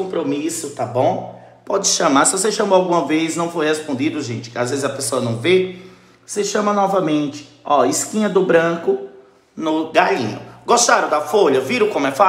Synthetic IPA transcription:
õpɾomisʊt̪abõ | pɔd͡ʒɪʃɐ̃maɾsɪvoseʃɐ̃moawɡũmɐvesnɐ̃w̃fojhespõnd̪d͡ʒid̪ʊʒẽt͡ʃɪ̥azvezɪzɐpesoɐnɐ̃w̃ve | seʃɐ̃mɐnɔvɐmẽt͡ʃɪ̥ɔiskĩɲɐd̪ʊbɾɐ̃kʊ | nʊɡaḭ̃ɲʊ̰ɡɔst̪aɾɐ̃w̃d̪ɐfoʎɐviɾʊkõmʊɛfa

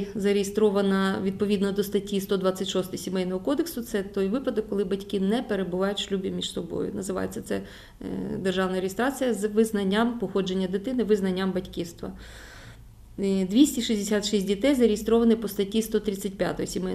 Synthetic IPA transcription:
zɐɾʲejest̪ɾɔʋɐnɐʋʲid̪̚pɔʋʲid̪nɔd̪ɔst̪ɐtʲːist̪ɔd̪ʋɑt͡sʲːɐtʲʃɔst̪ɪjsʲimɛjnɔɦɔkɔd̪eksʊt̪sɛt̪ɔjʋɪpɐd̪ɐkːɔlˠɪbɐtʲkinɛpeɾebʊʋɑjʊtʲʃlʲubʲimʲiʃsɔbɔ̰jʊ̰nɐzɪʋɑ̰jet͡sʲːɐt̪sɛ | d̪erʒɑʋnɐɾejest̪ɾɑt͡sʲijɐzʋɪznɐnʲːampɔxɔd͡ʒe̞nʲːɐd̪ɪt̪ɪnɪʋɪznɐnʲːambɐtʲkist̪ʋɐ̰ | d̪ʋʲisʲtʲiʃizʲd̪esʲat̪ʃisʲtʲdʲit̪ɛjzɐɾʲejest̪ɾɔʋɐnɪpɔst̪ɐtʲist̪ɔt̪ɾʲɪt͡sʲːɐt̚ʲpʲja̰t̪ɔjɔsʲimɛj

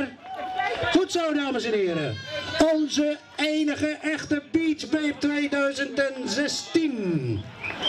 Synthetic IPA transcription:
r | futsowdaːməsɛnɦɪːɾə̰ɔnzə | ejnəχəʔɛχtəbiːt͡ʃbep̚tʋejdœɥzəntɛnzɛstin

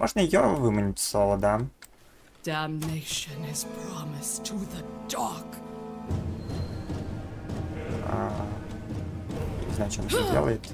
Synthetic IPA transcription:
mʔɔ̰ʐnəɪjovɨmənʲɪtʲslˠovəd̪am | d̥æ̃mneɪʃɨ̃nɪz̥pʰɹ̥ɑmɨstʰəðəd̥ɑk | a | ḭzat͡ɕɔnədʲḛlˠəjɪt̪

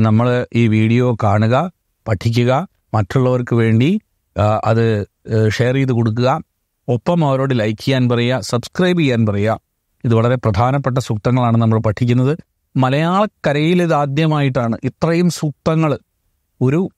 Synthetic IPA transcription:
nɐmːɐɭiːʋiːɽijo̞ːkaːɳuɣɐ | pɐʈʰːik̬ʲːuɣɐ | mɐtːuɭːɐʋɐrkɨʋe̞ːɳɖi | ʔɐ̰ðɨ | ʂejːriðɨko̞ɽuk̬ːuɣɐ | o̞pːɐmɐʋɐɾo̞ːɽɨlɐjkʲːijaːnpɐrɐjːɐsɐbskrɐjbikʲːaːnpɐrɐjːɐ | iðɨʋɐɭɐɾe̞prɐd̪ʱaːnɐpːeʈ̬ːɐsuk̚t̪ɐŋːɐɭaːɳɨnɐmːɐɭpɐʈʰːik̬ʲːunːɐðɨ | mɐlɐjaːɭɐkːɐɾɐjileðaːd̪jɐmaːjiʈ̬ːaːɳɨʔit̪rɐjumsuk̚t̪ɐŋːɐɭ | o̞ɾu

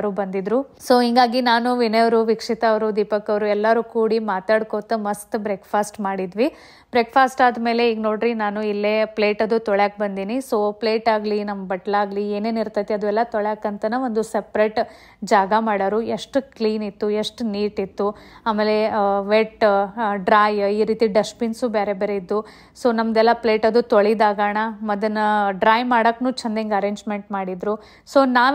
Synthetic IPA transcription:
ɾubɐnd̪id̪ɾu | so̞ːɦiŋɡaːɡinaːnuʋineʋɐɾuʋikʂit̪ɐːʋɐɾud̪ipɐkːɐʋɾuɛlːɐɾukuːɽimaːt̪aːɽkoːt̪ɐmɐst̪bɾeːkpʰaːsʈmaːɽid̪ʋi | bɾeːkpʰaːsʈaːd̪me̞ːle̞iːɡno̞ːɽɾinaːnuilːeple̞ːʈɐd̪ut̪ɔɭjaːk̚bɐnd̪iːniso̞ːple̞ːʈaːɡlinɐmɐbɐʈlaːɡlieːne̞ːniɾt̪ɐt̪eɐd̪uɛlːɐt̪ɔɭaːkɐnt̪ɐnɐʋond̪usepɾeʈ | d͡ʒaːɡɐmaːɽɐɾueʂʈkliːnit̪ːueʂʈniːʈit̪ːuaːmeːle̞ʋeʈɖɾaːjiːɾiːt̪iɖɐspinsubeːɾebeːɾeid̪ːu | so̞ːnɐmd̪ɛlːɐple̞ːʈɐd̪ːut̪oɭid̪aːɡaːɳɐmɐd̪ɐnːɐɖɾaːjmaːɽɐkːnuːt͡ʃʰɐnd̪eŋɡɐɾeːɲd͡ʒmeɳʈmaːɽid̪ɾu | soːnaː

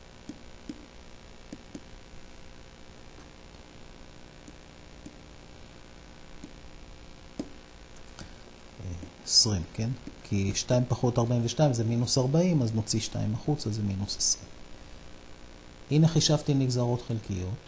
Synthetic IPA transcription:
eesʁimkenkʰiʃtaimpaχo̞taʁbaimveʃtaimzeminusaʁbaimazno̞t͡siʃta̰ḭmaχut͡sazeminusesʁim | ʔineχiʃavtimiɡzaʁo̞tχelkijo̞t

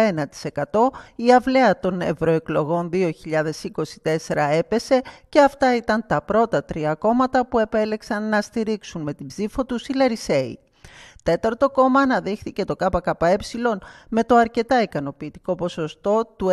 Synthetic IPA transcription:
enɐt̪i̥se̞kɐt̪o̞iɐvle̞ɐt̪o̞ne̞vɾo̞e̞klo̞ɣo̞nðio̞çiʎɐðe̞siko̞si̥t̪e̞se̞ɾɐe̞pe̞se̞ce̞ɐft̪ɐit̪ɐnt̪ɐpɾo̞t̪ɐt̪ɾiɐko̞mɐt̪ɐpue̞pe̞le̞ksɐnːɐst̪iɾiksunme̞t̪ibzifo̞t̪usilɐɾise̞ḭ | t̪e̞t̪ɐɾt̪o̞ko̞mɐːnɐðixθice̞t̪o̞kɐpɐkɐpɐe̞psilo̞nme̞t̪o̞ɐɾce̞t̪ɐikɐno̞piːt̪i̥ko̞po̞so̞st̪o̞t̪u

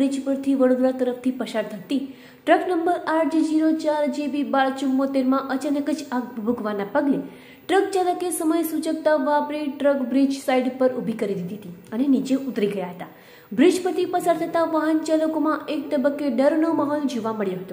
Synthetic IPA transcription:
bɾid͡ʒpəɾt̪ʰiʋəɽod̪ɾat̪əɾəft̪ʰipəsaɾt̪ʰət̪i | ʈɾəknəmbəɾaʈd͡ʒid͡ʒiɾot͡ʃaɾd͡ʒebibaɾt͡ʃumːot̪eɾmãʔət͡ʃənəkət͡ʃʰaɡbʱbʱuɡʋanapəɡle | ʈɾək̚t͡ʃaləkesəməjsut͡ʃək̚t̪aʋapɾiʈɾəkbɾid͡ʒsaiɖpəɾubʱikəɾid̪id̪ʱiɦət̪iənenit͡ʃeʔut̪ɾiɡəjaɦət̪a | bɾid͡ʒpəɾt̪ʰipəsaɾt̪ʰət̪aʋaɦənt͡ʃaləkomãʔek̚t̪əbəkːeɖəɾnoməɦold͡ʒoʋaməɭjoɦət̪o

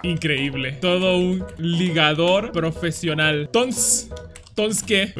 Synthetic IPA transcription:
iŋkɾeiβle̞t̪o̞ðounliɣaðo̞ɾpɾo̞fe̞sjo̞nalt̪ons | t̪onske

